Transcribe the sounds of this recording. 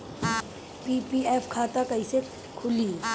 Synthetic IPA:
piːpiɛːpʰkʰaːt̪akɐise | kʰʊli

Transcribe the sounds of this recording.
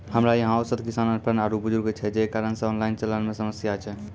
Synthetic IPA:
həmɾajəɦãosəd̪ʱkisanənpɾənaɾubud͡ʒuɾɡt͡ʃʰɛd͡ʒekaɾənsə̃ɔnlaint͡ʃələnmesəməsjat͡ʃʰɛ

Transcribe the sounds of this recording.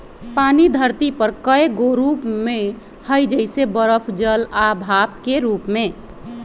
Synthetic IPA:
panid̪ʱəɾt̪ipəɾkəeɡoɾupme | həjd͡ʒəɪsebəɾəpʰd͡ʒəlabʱabkeɾupme

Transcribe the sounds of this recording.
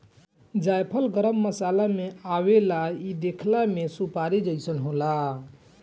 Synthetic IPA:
d͡ʒajpʰəlɡəɾəmːəsalameawelaid̪ekʰlamesupaɾid͡ʒəjsənɦola

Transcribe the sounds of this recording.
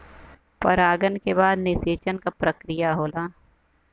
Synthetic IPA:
pɐɾaːɡənkebaːd̪nɪseːt͡ʃənkapɾəkɾɪjaɦoːlaː

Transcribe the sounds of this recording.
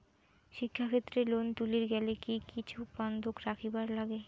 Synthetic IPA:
ʃikʰːakʰet̪ːɾelont̪uliɾɡɛlekikit͡ɕʰuband̪ʱokɾakʰibaɾlaɡe

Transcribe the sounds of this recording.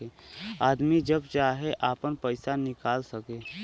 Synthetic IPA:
eaːd̪mid͡ʒəbt͡ʃaːɦeʔaːpənpəɪsanɪkaːlsəkeː

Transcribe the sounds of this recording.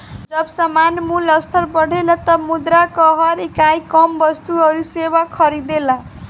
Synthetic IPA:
d͡zʌbsamanmulʌst̪ʰʌrbʌɽ̤elʌt̪ʌmud̪ɾakʌɦʌɾekajkʌmbʌst̪uʌɾusewakʰʌɾid̪ela

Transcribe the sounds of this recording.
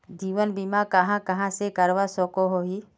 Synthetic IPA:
d͡ʒiːʋənbimakɐɦãkɐɦãsekəɾʋasɔkoɦoɦi

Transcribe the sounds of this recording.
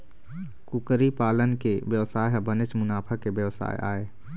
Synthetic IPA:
kʊkəɾipaːlənkeʋjəʋsaːjɦbənɪt͡ʃmʊnaːpʰəkebjəʋsa̰ːj̰ʔa̰ːeː

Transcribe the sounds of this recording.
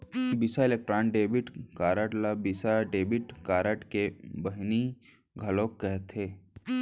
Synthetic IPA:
bɪsaɪlek̚ʈɾaːnɖeːbɪʈkaːɾəʈlabɪsaɖeːbɪʈkaːɾəʈkebɐɦni | ɡʱɐlõkːɛɦt̪ʰeː

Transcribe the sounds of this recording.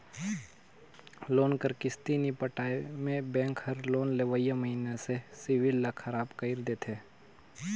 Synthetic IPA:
loːnkəɾkɪst̪inipəʈaːemẽbɛ̃ːŋkhəɾloːnleʋəjaməɦiːnesesɪʋɪlːakʰɐɾaːbkəɪɾd̪eːt̪ʰeː

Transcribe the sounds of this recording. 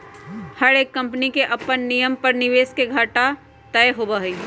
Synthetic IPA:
hɐɾeːkːɐ̃mpnikeʔɐpənːijəmpɐɾnɪʋeːskeɡʱaːʈa | t̪ɛːɦoːbaːɦiː

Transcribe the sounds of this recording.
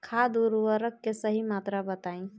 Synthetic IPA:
kʰad̪uɾwəɾəkːesəɦimat̪ɾabət̪aĩ

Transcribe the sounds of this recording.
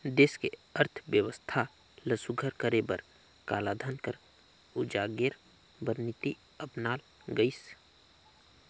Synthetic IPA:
d̪eːskeəɾt̪ʰʋjəwəst̪ʰa | ləsuɡʱəɾkəɾebəɾ | ka̰ːlad̪ʱənkəɾ | ʊd͡ʒaɡeɾ | bəɾnit̪i | əpnaːl | ɡəis

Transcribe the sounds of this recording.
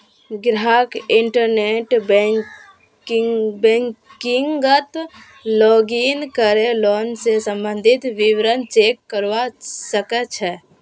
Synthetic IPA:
ɡɾaːkɪɳʈəɾneʈbɛ | bɛkɪŋɡət̪ | lɔːɡinkəɾeloːnsesə̃mbənd̪ʱɪt̪ʋiwɾənt͡ʃeːkːəɾwasəkət͡ʃʰɛ

